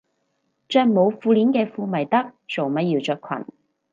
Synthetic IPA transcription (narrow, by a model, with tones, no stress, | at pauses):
t͡ʃœː˧kmo˨˧wfuː˧liː˨˥nkɛː˧fuː˧mɐ˨˩jt̪ɐ˥k̚t͡so˨wmɐ˨˥ji˧wt͡ʃœː˧kʷʰɐ̰˨˩n